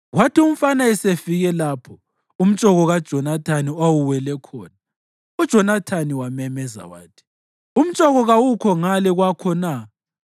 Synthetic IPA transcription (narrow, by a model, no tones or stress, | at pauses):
ɣwatʰium̩fanaɛsefiɣɛlaːpʰɔ | um̩t͡ʃʼɔɣɔɣad̥ʒ̥ʱɔnatʰaniwawuwɛlɛkʰɔːna | ud̥ʒ̥ʱɔnatʰaniwamɛmɛza̰wa̰ːtʰi̥ | um̩t͡ʃʼɔɣɔɣawukʰɔŋalɛɣwakʰɔna